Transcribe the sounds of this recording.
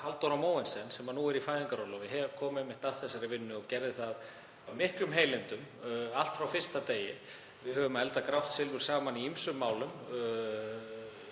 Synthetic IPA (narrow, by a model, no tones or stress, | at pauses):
halt̪ɔɾamoːwɛnsɛnsɛmanuɛɾifajðɪŋkaɾɔlɔvɪɦɛvkʰɔːmɛmːɪht̪aðθɛsaɾɪvɪnːʏɔɣcɛɾðɪθað | aðmɪhklʏmɦeːjlɪnt̪ʏmalt̪fɾawfɪr̥st̪at̪eːjɪ | vɪðɦœvʏmaðɛlt̪akɾawht̪sɪlvʏɾ̥saːmaniimsʏmːaːwlʏm